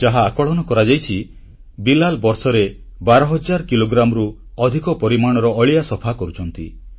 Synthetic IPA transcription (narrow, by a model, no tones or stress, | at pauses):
d͡ʒaɦaːkɔɭɔnɔkɔɾad͡ʒajt͡ʃʰi | bilalbɔɾsɔɾe | baɾɔɦɔd͡ʒaɾkiloɡɾamɔɾu | ɔd̪ʱikɔpɔɾimaɽ̃ɔɾɔːɭijasɔpʰakɔɾut͡ʃʰɔnt̪i